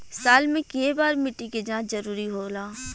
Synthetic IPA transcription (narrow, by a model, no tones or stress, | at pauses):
saːlmẽkeebaːɾmɪʈːiked͡ʒãːt͡ʃzɐɾuːɾiɦoːlaː